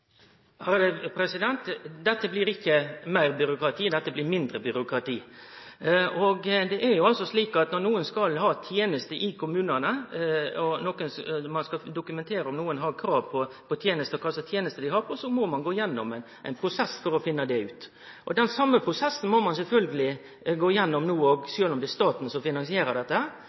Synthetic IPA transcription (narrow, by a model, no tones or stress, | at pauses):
hɑd̪ɛpʰɾɛsɪd̪ɛnt̪d̪ɛt̪ːəbliːɾɪkʰːəmæɪɾbʏɾʊkɾɑt̪ʰiːd̪ɛt̪ːəblɪːɾmɪnd̪ɾəbʏɾʊkɾɑt̪ʰiː | ɔɡd̪ɛʔæɾjʊɑlsɔsliːkɑt̪nɔɾnuːənskɑlɦɑːt̪ʰjeːnəst̪əʔɪkʰʊmʉːnənə | ɔnɔkənsmɑnskɑd̪ʊkʉmɛnt̪ʰeːɾəɔmnuːənɦɑɾkʰɾɑːʋpʰɔpʰɔt̪ʰjeːnəst̪əɔkʰɑlsət̪ʰjeːnəst̪əd̪ɪhɑɾpʰɔsɔmɔmɑnɡoːɪjɛnːɔ̰mɛnʔɛɪnpʰɾʊsɛsːfɔɾɔfɪnːəd̪ɛʉːt̪ | ʔɔd̪ɛnsɑmːəpʰɾʊsɛsːən̩mɔmɑnsɛlfœlɡəlɪ | ɡoːɪjɛnːɔmnuːɔɡsøːlɔmd̪ɛst̪ɑːt̪n̩sɔfɪnɑnsɪeːɾəd̪ɛt̪ːəhæɾ